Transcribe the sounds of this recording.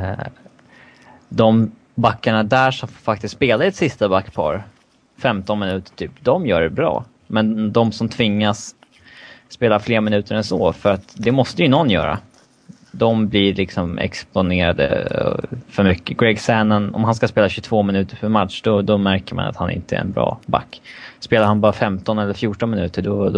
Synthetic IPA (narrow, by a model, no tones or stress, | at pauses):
d̪ɔm | bakːaɳad̪æʂɔmfak̚t̪ɪst̪speːlaɾɛt̪sɪst̪abakːpʰɑ̰ːɾ | fɛmt̪ɔnmɪnʉ̟ːt̪ə̥ʈʰyːpd̪ɔmjœːɖɛbɾɑ̰ː | mɛnd̪ɔmsɔmt̪ʰvɪŋːasː | peːlafleːɾamɪnʉ̟ːt̪əɾɛnso̰ːfœɾat̪d̪ɛmɔst̪əjɵnɔnːjœ̰ːɾa̰ | d̪ɔmblɪlɪksɔmɛ̰kspʊneːɾad̪ə̰ | fœɾmʏkːəɡɾɛɡsænənɔ̰mhans̬kaspeːlaɕɵt̪ʰvoːmɪnʉ̟ːt̪əɾpʰœɾmat̪ʂd̪ɔd̪ɔmæɾkəɾma̰na̰t̪hanʔɪ̰nt̪əɛ̰ɾɛ̰nbɾɑ̰ːba̰kːspeːlaɾhanbɑːɾafɛmt̪ɔnɛlːəɾfjuːʈɔnmɪnʉ̟ːt̪əɖɔ